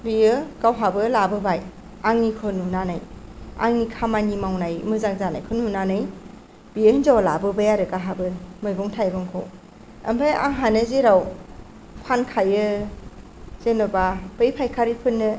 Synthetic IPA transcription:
bijɯkawɦabɯlabɯbaj | aŋnikʰɯnunanaja̰ŋnikʰamanimawnajmɯzaŋzanajkʰɯnunanɯj | b̥ijɯhɯnzawlabɯbajaɾɯkaɦabɯmɯjbɔŋtʰajɡɔŋkʰɔ | ɐ̰mbʰaja̰ŋɦanɯzeɾaw | pʰankʰajɯ | zenɯbapɯjpʰajkʰaɾipʰɯnːɯ

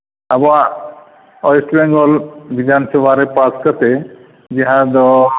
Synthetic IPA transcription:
abɔa | ɔjsʈbɛŋɡɔlbid͡ʒansɔbaɾepaskət̪e | d͡ʒiɦãd̪ɔ

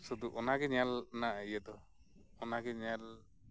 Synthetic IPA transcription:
sud̪uʔɔnaɡɛɲalnaʔaijəd̪ɔ | ɔnaɡɛɲal

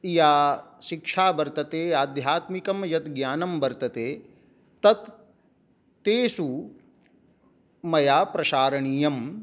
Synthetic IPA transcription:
ijaːʃikʂʰaːbɐɾt̪ɐt̪eːaːd̪jaːt̪mikɐmjɐt̪ɡjaːnɐmbɐɾt̪ɐt̪eː | t̪ɐt̪ | eːsu | mɐjaːpɾɐʃaːɾɐɳiːjɐm

